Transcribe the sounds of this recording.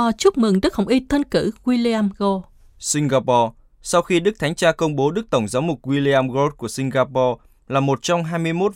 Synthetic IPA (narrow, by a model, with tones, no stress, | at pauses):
ɔ˧˩t͡ɕu˦˥p̚mɨ˨˩ŋɗɨ˦˥k̚hɦə˧˩wŋ͡mʔi˧t̪ʰə˧nkɨ˧˩ɣwi˧li˧aː˧mɣo˧ | sï˧ŋɣaː˧pɔ˧ | sa˧wxi˧ɗɨ˦˥k̚t̪ʰa˨˦ŋ̟t͡ɕaː˧kə˧wŋ͡mɓo˨˦ɗɨ˦˥k̚t̪ə˧˩wŋ͡mzaː˨˦wmʊ˨˩k̚ɣwi˧li˧aː˧mɣo˦˥t̚ku˧˩əsï˧ŋ̟ɣaː˧pɔ˧ | laː˨˩mo˨˩t̚t͡ɕɔ˧wŋ͡mɦaː˧jmɨ˧əjmo˦˥t̚